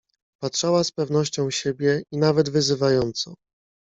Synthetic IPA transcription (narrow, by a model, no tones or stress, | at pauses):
patʂawaspɛvnɔɕt͡ɕɔ̃w̃ɕebʲjɛinavɛd̪vɘzɘvajɔnt̪sɔ̰